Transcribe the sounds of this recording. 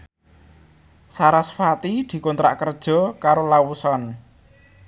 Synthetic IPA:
saɾasfat̪id̪̥i̤kont̪ɾa̰ʔkərd̥ʒ̥ɔ̤kaɾolawusɔn

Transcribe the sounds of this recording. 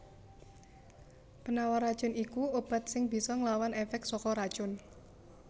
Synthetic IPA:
pənawaɾad̥ʒ̥ʊ̤nikuob̥a̤t̪̚sɪŋb̥i̤sɔŋlawanefɛk̚t̪sɔkɔɾad̥ʒ̥ʊn

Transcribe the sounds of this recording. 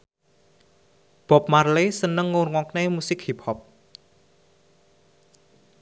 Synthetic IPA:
b̥ɔ̤p̚marlesənəŋːurŋɔknemusɪkhip̚hɔp̚

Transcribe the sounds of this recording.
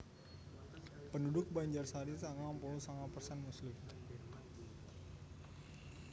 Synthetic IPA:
pəndudʊk̚baɲd͡ʒarsaɾisaŋampulusaŋapərsɛnmuslʊm

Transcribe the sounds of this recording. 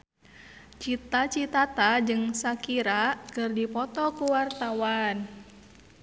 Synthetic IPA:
t͡ʃit̪at͡ʃit̪at̪ad͡ʒɨŋsakiɾakɨrdipɔt̪ɔkuwart̪awan

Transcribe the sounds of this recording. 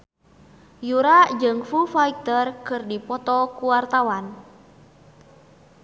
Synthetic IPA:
juɾad͡ʒɨŋfufaik̚t̪ərkɨrdipɔt̪ɔkuwart̪awan

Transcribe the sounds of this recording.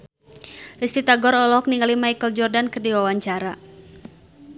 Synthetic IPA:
rist̪it̪aɡɔɾɔlɔk̚niŋɡalimajkəld͡ʒɔrdankərdiwawaɲt͡ʃaɾa

